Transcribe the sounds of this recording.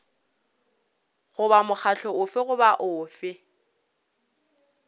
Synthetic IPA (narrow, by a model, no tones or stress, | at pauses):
ɣʊbamʊk͡xʰaɬʰɔʊfɪɣʊbaʔʊːfɪ